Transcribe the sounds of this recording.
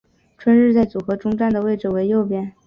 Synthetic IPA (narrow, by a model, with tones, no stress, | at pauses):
ʈ͡ʂʰwə˥nɻɻ̩˥˧t͡sa˥˩ɪt͡su˨˩xɤ˧˥ʈ͡ʂʊ˥ŋʈ͡ʂa˥˩nd̪ə˩we˥˩ɪʈ͡ʂɻ̩˨˩we˧˥ɪjo˥˩ʊpjɛ˥˩n